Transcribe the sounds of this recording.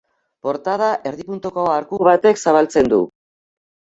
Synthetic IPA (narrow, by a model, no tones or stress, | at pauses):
po̞ɾt̪aðaʔe̞ɾðipunt̪ukoaɾkuβat̪e̞ksaβalt͡se̞nd̪ṵ